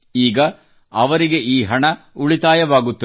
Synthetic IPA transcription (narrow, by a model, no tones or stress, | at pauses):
iːɡɐ | ɐʋɐɾiɡe̞ʔiːɦɐɳɐuɭit̪aːjɐʋaːɡut̪ːu